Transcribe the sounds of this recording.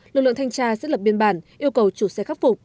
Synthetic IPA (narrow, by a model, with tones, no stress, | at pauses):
lɨ˨˩k̚lə̰˧˨ŋt̪ʰjŋ̟t͡ɕaː˧sɛ˦˥t̚lə˨˩p̚ɓi˧ənɓaː˧˩nʔi˧əwkə˨˩wt͡ɕu˧˩sɛ˧xa˦˥k̚fʊ˨˩k͡p̚